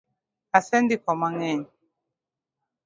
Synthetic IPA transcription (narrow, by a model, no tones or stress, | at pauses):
asɛndikwamaŋɛɲi